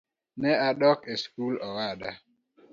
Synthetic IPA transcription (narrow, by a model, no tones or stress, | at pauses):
nɛaɗɔkeskulɔwaɗa̰